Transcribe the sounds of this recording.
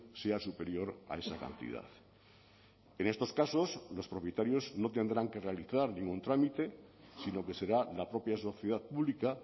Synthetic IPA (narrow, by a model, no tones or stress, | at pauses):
seasupe̞ɾjo̞ɾa̰e̞saka̰nt̪ḭða̰θ | ene̞st̪o̞skaso̞zlo̞spɾo̞pje̞t̪aɾjo̞zno̞t̪e̞nd̪ɾaŋke̞realiθaɾnĩŋɡunt̪ɾamit̪e̞sino̞ke̞se̞ɾalapɾo̞pjaso̞θjeð̞aθpuβlika